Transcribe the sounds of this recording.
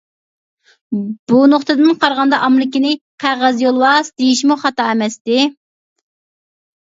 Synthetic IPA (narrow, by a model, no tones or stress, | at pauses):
b̥unoχt̪ɨd̪ɨnqʰɑɾʁɑnd̪ɑʔɑmɾɪkʲɪnɪqʰæʁæzjolˠwɑsd̪ejiʃmuχɑt̪ɑɛmɛst̪ɪ